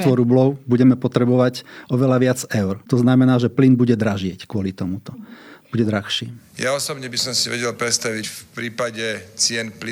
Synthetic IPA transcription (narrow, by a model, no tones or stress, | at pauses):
t̪ʋɔɾublɔʊbuɟɛmɛpɔt̪ɾɛbɔʋaɟɔʋɛlaʋɪad͡zɛʊɾt̪ɔznamɛnaːʒɛplinbuɟɛd̪ɾaʒɪɛckʊɔlit̪ɔmut̪ɔbuɟɛd̪ɾaxʃiːjaɔsɔbɲɛbisɔmsiʋɛɟɛlpɾɛt̪st̪aʋicfpɾiːpaɟɛt͡sɪɛnpli